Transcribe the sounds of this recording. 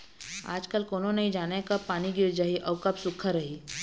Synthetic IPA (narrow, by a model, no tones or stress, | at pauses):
a̰ːd͡ʒkəlkoːnonɐɦĩd͡ʒaːnekapaːniɡɪɾd͡ʒaɦiʔɐʊkɐbsʊkʰəɾɐɦiː